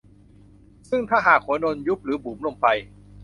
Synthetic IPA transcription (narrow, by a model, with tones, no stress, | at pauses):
sɯ˥˩ŋt̪ʰaː˥˩ɦaː˨˩k̚hu˩˦ɐno˧nju˦˥p̚ɾɯː˩˦buː˩mlo˧mpʰa˧j